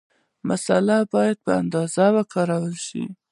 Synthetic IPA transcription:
masalabɑjad̪̚pəa̰nd̪ɑzawəkʰɑɾawəlʃḭ

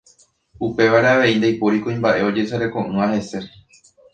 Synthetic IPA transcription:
upe̞ʋaɾeaʋe̞ind̪ejpoɾikõĩmbaʔe̞o̞d͡ʒe̞saɾekõ̞ʔɨ̃ahe̞se̞

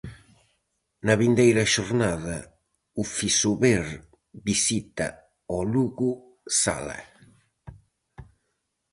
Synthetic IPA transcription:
naβind̪ɛjɾaʃuɾnaða | ufisuβeɾ | bisit̪a̰ | ɔluɣu | sa̰la̰

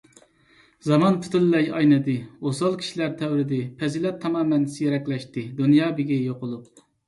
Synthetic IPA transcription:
zɑmɑnpʰu̥t̪ɪlːɛjɑ̰jnɨd̪ɨosɑlˠkʲʰi̥ʃilæɾt̪ʰɛwɾɪd̪ɪpʰɛzilɛt̪ʰːɑmɑːmɛnsijɾɛkʲlɛʃt̪ɨd̪unjɑːbɪɡʲɛjoqʊlˠup̚

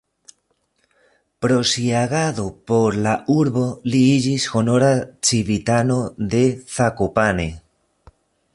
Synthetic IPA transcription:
pɾo̞siaɣaðo̞po̞ɾlauɾβo̞liid͡ʒisxo̞no̞ɾat͡ʃiβit̪ano̞de̞θakopane̞

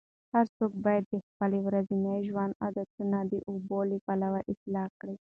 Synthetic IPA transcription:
haɾsok̚bɑjad̪̚ːexpalewɾazinajʒwand̪a̰d̪at̪unad̪iʔubolipalawaʔɪslɑkɽi

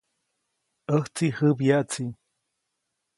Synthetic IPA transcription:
əht͡sihəbjaʔt͡si

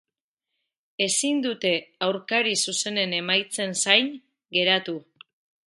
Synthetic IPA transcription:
e̞sind̪ut̪e̞awɾkaɾisuse̞ne̞ne̞majt͡se̞nsajn | ɡe̞ɾat̪u

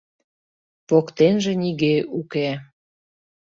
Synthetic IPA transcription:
pokt̪enʒĕniɣeuke

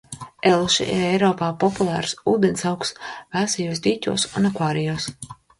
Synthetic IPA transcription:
ɛlˠuʃḭʔḭɾɛjɾɔːpaːpɔpulˠæːɾsuːd̪ʲɛnsawksvæːsijuːsd̪ʲiːt̪ʲṵɔsunakvaːɾijuːs

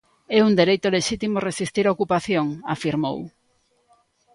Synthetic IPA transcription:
ɛund̪eɾejt̪oleʃit̪imoresist̪iɾaokupaθjoŋa̰fiɾmo̰w

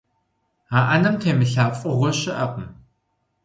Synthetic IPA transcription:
aːʔɐnɐmtʰeːmɨɬaːfʼɨʁʷʊɕɪʔɐpʼm

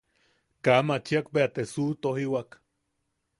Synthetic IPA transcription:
kamat͡ʃiakpeat̪esut̪oɦiwak

